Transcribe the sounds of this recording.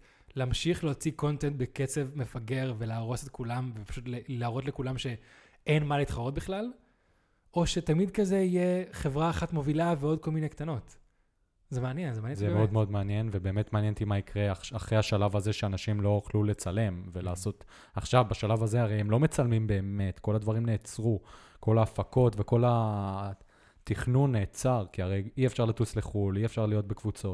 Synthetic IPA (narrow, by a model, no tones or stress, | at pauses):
leamʃiχleot͡siko̞ntent̪̚beket͡se̞vme̞faɡe̞ʁve̞leaːʁo̞se̞t̪kulamvepḁʃutlelaːʁo̞t̬le̞kulamʃe̞ | enmalit̪χaʁo̞t̚biχlal | o̞ʃe̞tamid̪kaze̞ije̞χe̞vʁaːχatmo̞vilaveo̞d̚ko̞lminekt̪ano̞t | zemeanjenzemanjzemmeo̞d̪meo̞d̪meanje̞nvebe̞ːme̞tmeanjent̪imaikʁeaaχʁejhaʃalavazeʃeanaʃimlo̞oχlule̞t͡sale̞mve̞laːso̞t̪ | aχʃavbaʃalavaze̞aʁejemlo̞me̞t͡salmimbe̞ːme̞tko̞ladvaʁimne̞ːt͡sʁuko̞laːfako̞tve̞ko̞la | tiχnunːe̞ːt͡saʁkiaʁejiefʃaʁlatusle̞χuliefʃaʁlijo̞t̚bekvut͡so̞t